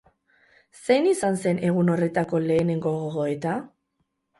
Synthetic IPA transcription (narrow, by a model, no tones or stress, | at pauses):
se̞jnisanse̞ne̞ɣ̞uno̞re̞t̪ako̞le̞ːne̞ŋɡo̞ɣoɣoet̪a